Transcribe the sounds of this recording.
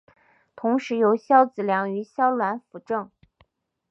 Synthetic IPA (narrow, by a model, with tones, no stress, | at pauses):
t̪ʰʊ˧˥ŋʂɻ̩˧˥jo˧˥ʊɕjɑ˥ʊt͡sɹ̩˨˩ljɑ˧˥ŋy˧˥ɕjɑ˥ʊlwa˧˥nfu˧˩ʈ͡ʂɤ˥˩ŋ